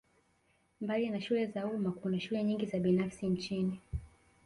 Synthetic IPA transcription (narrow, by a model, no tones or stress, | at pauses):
mbalinaʃulɛzaumakunaʃulɛɲiŋɡizaɓinafsint͡ʃini